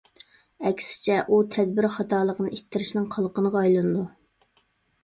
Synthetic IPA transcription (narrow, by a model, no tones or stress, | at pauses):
ɛkʲsɪ̥t͡ʃʰɛʔut̪ʰɛd̪bɪɾχɑt̪ʰɑːlˠəqənɨʔit̪ʰːɪɾɪʃnɪŋqʰɑlˠqənəʁɑɑjlˠɨnɨd̪u